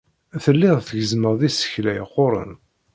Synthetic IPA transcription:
æθəlːɪðθəʝəzməʁðisə̥çlæjqːoɾˤə̰n

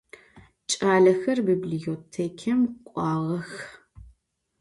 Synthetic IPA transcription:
t͡ʃʼaːɮɐxɐrbiːblijoːtʰeːkʰɐmqʷʼɑːʁɐx

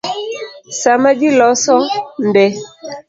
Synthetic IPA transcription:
samadilɔsɔn̩bɛ

